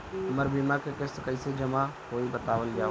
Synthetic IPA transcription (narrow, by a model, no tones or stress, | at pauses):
ɐməɾbiːmakekɪskəɪsed͡ʒəmakoːibət̪aːʋəlɡjaː